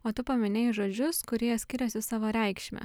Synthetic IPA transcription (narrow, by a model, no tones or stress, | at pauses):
oːt̪ʊpɐmʲɪnʲeːjʒoːd͡ʒʲʊskʊɾʲiːjɛt̪sʲkʲɪɾʲɛsʲɪsɑːʋoːɾʲɛɪkʃʲmʲɛ̰